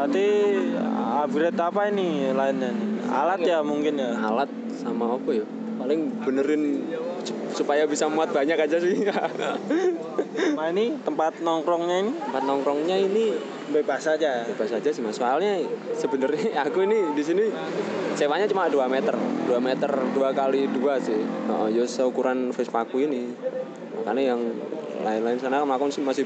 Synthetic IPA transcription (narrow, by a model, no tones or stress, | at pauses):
at̪ḭ | abiɾɛt̪apainilaɪnɲaniɦa̰lat̪jamuŋkɪnjaɦa̰lat̪̚ | sa̰maokɔja | palɪŋbənəɾɪn | supajabisamuat̪̚b̥aɲakad͡ʒasia | mainit̪əmpat̪̚nɔŋkɾɔŋɲainit̪əmpat̪̚nɔŋkɾɔŋɲaini | bəbasad͡ʒabəbasad͡ʒasimasoalɲasəbənəɾɲakuinidisini | t͡ʃewaɲat͡ʃumaʔduamɛt̪ərduamɛt̪ərduakaliduasɪhɔ̰ʔɔ̰d͡ʒɔsəukuɾanfɛspakuini | a̰ka̰najaŋla̰ɪnlaɪnsanakamlakʊŋsɪmasɪ